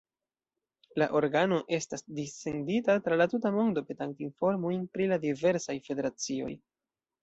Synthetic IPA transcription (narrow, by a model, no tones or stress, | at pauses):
laʔo̞ɾɡano̞ʔe̞stasdise̞nditatɾalatutamo̞ndo̞pe̞taŋktinfo̞ɾmujnpɾiladive̞ɾsajfe̞de̞ɾat͡sio̞̰j